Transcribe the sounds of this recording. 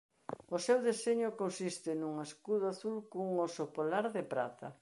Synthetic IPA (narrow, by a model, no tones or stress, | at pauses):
ʊsewðeseɲʊkonsist̪ɪnuŋeskuð̞ʊaθulkouŋosopolaɾðɪpɾa̰t̪ɐ̰